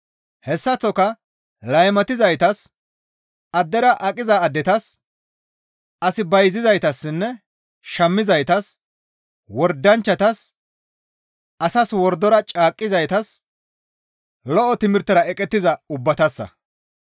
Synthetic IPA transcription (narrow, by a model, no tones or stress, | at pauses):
hɛsːɐt͡sːɔkɐ | lɐjmɐt̪ɪzɐjt̪ɐs | ɐd̪ːɛɾɐʔɐkʼɪzɐːd̪ːɛt̪ɐs | ɐsɪbɐjzɪzɐjt̪ɐsːɪnːɛ | ʃɐmːɪzɐjt̪ɐs | wɔɾd̪ːɐnt͡ʃːɐt̪ɐs | ʔɐsɐswɔɾd̪ːɔɾɐt͡ʃʼaːkʼːɪzɐjt̪ɐs | lɔʔɔt̪ɪmɪɾt̪ːɐɾɐɛkʼɛt̪ːɪzɐʊbːɐt̪ɐsːɐ̰